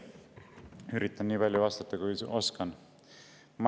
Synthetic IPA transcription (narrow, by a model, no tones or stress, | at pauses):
yɾit̪ːˑɑnniːpɑlʲjɑvɑst̪ɑt̪ːˑɑkujʔo̞skɑn | mɑ